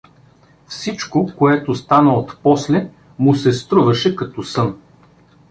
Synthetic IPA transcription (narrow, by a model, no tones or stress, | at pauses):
fsit͡ʃkokoɛt̪ost̪anəot̪pɔslɛ | mʊsɛst̪ɾuvɐʃɛkɐt̪ɔsɤn